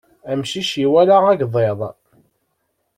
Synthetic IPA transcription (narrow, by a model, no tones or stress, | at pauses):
æmʃiʃiwælaʁæɡðˤeðˤ